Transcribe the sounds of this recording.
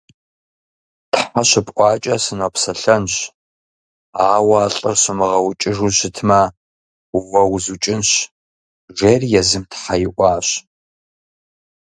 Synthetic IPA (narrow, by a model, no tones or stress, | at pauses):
tʰħaɕɪpʼʔʼʷɑːt͡ʃʼɐsɨnɔpsɐɬɐnɕ | aːwɐːɬʼərɕɪmɨʁɐwt͡ʃʼɪʐuɕɪtʰmɐ | wɐwzut͡ʃʼɪnɕ | ʒerjɛzɨmtħajɪʔʷɑːɕ